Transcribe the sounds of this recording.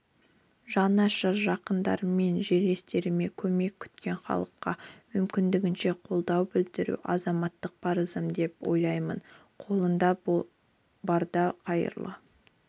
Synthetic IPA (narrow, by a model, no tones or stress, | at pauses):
ʒɑnɑʃəɾʒɑqənd̪ɑ̰ɾme̞nʒe̞ɾle̞st̪e̞ɾɪme̞kʲʰɵme̞kʲʰːʏ̥t̪kʲe̞ɴχɑ̰lˠəqːɑmʏmkʲɪnd̪ɪɡʲɪnʃe̞qʰo̞lˠd̪ɑwbɪld̪ɪɾṵʔɑzɑmɑt̪ːəq̚pʰɑɾəzəmd̪e̞pwo̞̰jlˠɑjmə̰n | qʰo̞lˠənd̪ɑ | bɑɾd̪ɑqʰɑjə̰ɾlˠə̰